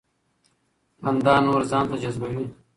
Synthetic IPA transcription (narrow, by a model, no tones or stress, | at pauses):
ɐnd̪aːnoːɾzaːnt̪ɐd͡ʑɐzbɐjũː